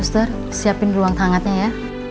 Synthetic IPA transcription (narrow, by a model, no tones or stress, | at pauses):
st̪ər | siapɪnruaŋt̪ʰaŋat̪̚ɲaja